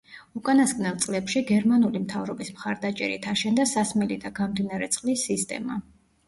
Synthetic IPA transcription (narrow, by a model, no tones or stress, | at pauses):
ukʼanaskʼnɛlˠt̪sʼlɛpʃiɡɛɾmanulimt̪ʰavɾɔbismχaɾd̪at͡ʃʼɛ̰ɾḭt̪ʰaʃɛnd̪asasmɛlid̪aɡamd̪inaɾɛt̪sʼqʼlisːist̪ʼɛ̰ma